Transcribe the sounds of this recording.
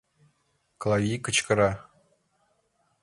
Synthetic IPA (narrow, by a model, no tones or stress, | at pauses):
klˠɑvʲikɤ̆t͡ɕkɤ̆ɾɑ